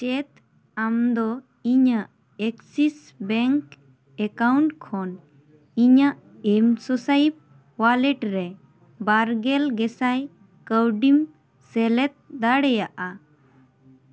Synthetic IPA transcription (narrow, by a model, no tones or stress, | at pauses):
t͡ʃɛt̪ | amd̪ɔ | iɲaʔ | ɛksis | bɛŋk | ɛkawɳʈkʰɔn | iɲaʔ | ɛmsɔsaip̚ | walɛʈɾɛ | baɾɡɛlɡɛsaj | kəwɖim | sɛlɛt̪̚d̪aɽɛjaʔa